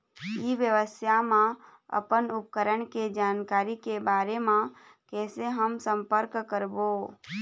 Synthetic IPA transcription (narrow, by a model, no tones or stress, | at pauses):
iʋjəʋəst̪jamãə̰pənʊp̚kəɾəɳked͡ʒaːnkaːɾikebaːɾemã | kɛːseɦəmsə̃mpəɾkːəɾbo